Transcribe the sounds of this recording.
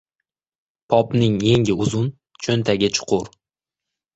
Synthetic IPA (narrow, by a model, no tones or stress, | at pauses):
pʰɒpnɪŋje̞ŋʲɪʊzʊn | t͡ʃʰɵnt̪ʰaɡʲɪt͡ʃʰʊ̥qʰʊɾ